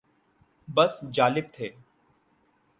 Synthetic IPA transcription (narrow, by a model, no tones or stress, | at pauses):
bəsd͡ʒaːlɪb̚t̪ʰeː